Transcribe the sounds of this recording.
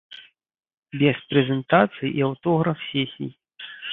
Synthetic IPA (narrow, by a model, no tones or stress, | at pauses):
bʲɛspɾɛzʲɛnt̪at̪sɨjʔiawt̪ɔɣɾɐfsʲɛsʲḭj